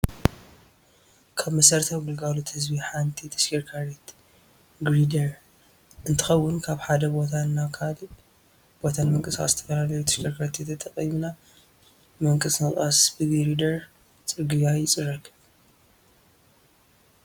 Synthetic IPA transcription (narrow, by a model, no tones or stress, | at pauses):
kʰaβmɐsɐɾt̪ʰawɡɨlɡalot̪hɨzbiħant̪ʰit̪ʰɐ̥ʃkʰiɾkʰaɾet̪ | ɡɾid̪ɐɾ | ʔɨnt̪ʰɨ̥xɐwːʊnkʰaβħad̪ɐbo̞t̪ʰanːakʰal | b̥o̞t̪ʰanmɨŋkʼɨsxa̰zɨ̥t̪ʰɐfɐlalɐjut̪ʰɐ̥ʃkʰiɾkʰaɾet̪jet̪ʰːɐt̪ʼɐqʼimna | mɨŋkʼɨsɨχʼasbɨɡɾid̪ɐɾ | t͡sʼɨɡɨjajɪt͡sʼɨrːɐkʰɨ